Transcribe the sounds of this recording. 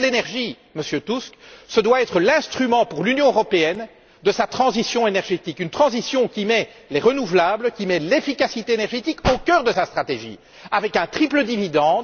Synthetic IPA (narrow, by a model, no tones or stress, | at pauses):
lenɛʁʒi | məsjøt̪usksəd̪waɛt̪χəlɛ̃st̪χymɑ̃puʁlynjɔ̃øʁɔpeɛn | d̪əsat̪χɑ̃zisjɔ̃enɛʁʒet̪ikynt̪χɑ̃zisjɔ̃kʲimɛ | leʁənuvlabləkʲimɛlefikasit̪eenɛʁʒet̪ikokʲœːʁd̪əsast̪χat̪eʒḭː | avɛkɛ̃t̪χipləd̪ivid̪ɑ̃d̪